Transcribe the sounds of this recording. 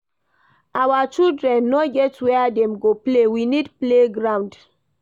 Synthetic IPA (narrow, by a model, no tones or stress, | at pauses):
awat͡ʃildɹɛ̃nːoɡɛtwɛadɛ̃mɡoplewinidpleɡɹãw̃nd